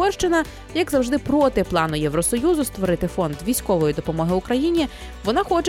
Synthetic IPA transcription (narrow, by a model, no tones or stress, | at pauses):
ɔrʃt͡ʃɪnɐ | jɐɡzɐwʒd̪ɪpɾɔt̪ɪplˠɑnʊjeʋɾɔsɔjuzʊst̪ʋɔɾɪt̪ɪfɔnd̪ʋʲijsʲkɔʋɔjid̪ɔpɔmɔɦɪʊkɾɐjinʲi | ʋɔnɑxɔt͡ʃ